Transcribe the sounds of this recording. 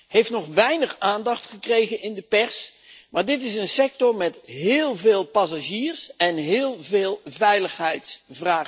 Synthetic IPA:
ɦejftnɔχʋɛjnəχaːndɑχtχəkrejχənɪndəpɛɹs | maːɹdɪtɪsənsɛk̚tɔɹmɛtɦɪːlˠveːlˠpɑs̬aʒiːɹsɛnɦɪːlˠveːlˠvɛjləχɦɛjtsvraː

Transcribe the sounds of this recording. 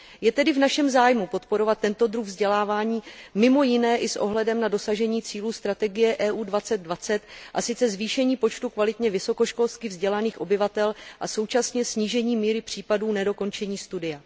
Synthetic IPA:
jɛt̪ɛdɪvnaʃɛmzaːjmupo̞t̪po̞ɾo̞vat̪ːɛnt̪o̞d̪ɾuɣvzɟɛlaːvaːɲiːmɪmo̞jɪnɛːʔɪsʔo̞̰ɦlɛdɛmnado̞saʒɛɲiːt͡siːluːst̪ɾat̪ɛɡɪjɛʔɛːʔuːdvat͡sɛd̪̚dvat͡sɛt̪ʔasɪt͡sɛzviːʃɛɲiːpo̞t͡ʃt̪ukvalɪt̪ɲɛvɪso̞ko̞ʃko̞lst̪kɪvzɟɛlaniːxʔo̞bɪvat̪ɛlʔaso̞wt͡ʃasɲɛsɲiːʒɛɲiːmiːɾɪpr̝̥iːpaduːnɛdo̞ko̞nt͡ʃɛɲiːst̪udɪja

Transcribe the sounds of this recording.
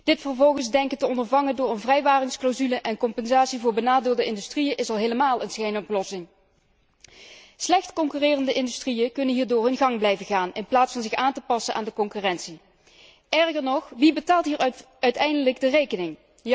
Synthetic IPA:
d̥ɪtfəɹvɔlˠɣənzdɛŋkətəɔndəɹvɑŋəndʊːɹənvrɛjʋaːrɪŋsklawzyləʔɛnkɔmpɛnzaːtsivʊːɹbənaːdɪːlˠdəɪndystrijəʔɪsɑlˠɦejləmaːlˠənsejnɔplɔsɪŋ | slɛxtkɔŋkyrɪːrəndəʔɪndystrijəkɵnənɦiːɹdʊːrɪnɣɑŋblɛjvəɣaːnɪnplaːtsfɑnzɪxaːntəpɑsənʔa̰ːndəkɔŋkyrɛntsi | ɛɹɣəɹnɔχʋibətaːlˠtɦiːɹ | œɥtɛjndələɡdərejkənɪŋ

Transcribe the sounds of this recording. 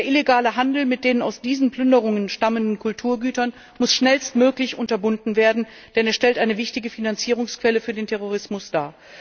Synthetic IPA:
deɐʔɪleɡaːləɦandl̩mɪt̚d̥eːnənaʊsd̥iːzn̩pl̥ʏndəʁʊŋənʃtaməndn̩kʰʊltʰuːɐɡyːtɐn | mʊsʃnɛlstmøːklɪçʔʊntɐbʊndn̩veːɐdn̩ | d̥ɛneːɐʃtɛltʔaɪnəvɪçtɪɡəfinant͡siːʁ̞ʊŋskv̥ɛləfyːɐdeːntʰɛʁ̞oʁ̞ɪsmʊsd̥aːɐ

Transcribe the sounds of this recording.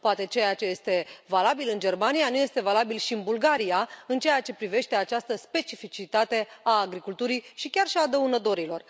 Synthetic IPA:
poat̪e̞t͡ʃe̞jat͡ʃe̞je̞st̪e̞valabilɨnd͡ʒe̞rmanijanuje̞st̪e̞valabilʃiɨnbulɡaɾijaɨnt͡ʃe̞jat͡ʃe̞pɾive̞ʃt̪e̞at͡ʃast̪əspe̞t͡ʃifit͡ʃit̪at̪e̞aːɡɾikult̪uɾiʃikʲarʃiad̪əunət̪o̞ɾilo̞r

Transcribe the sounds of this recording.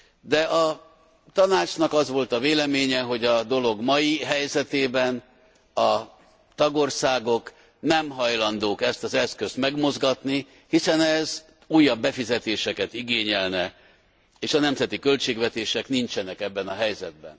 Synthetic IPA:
d̪ɛʔɒ | t̪ɒnaːt͡ʃnɒkɒzʋo̞lt̪ɒveːlɛmeːɲɛɦo̞ɟɒd̪o̞lo̞ɡmɒjiɦɛjzɛt̪eːbɛn | ɒ | t̪ɒɡo̞rsaːɡo̞k | nɛmɦɒjlɒnd̪oːkɛst̪ɒzɛskø̞st̪mɛɡmo̞zɡɒt̪ni | hisɛnɛz | uːjːɒbːɛfizɛt̪eːʃɛkɛt̪iɡeːɲɛlnɛ | eːʃɒnɛmzɛt̪ikø̞lt͡ʃeːɡvɛt̪eːʃɛknint͡ʃɛnɛkɛbːɛnɒɦɛjzɛd̪̚bɛ̰n

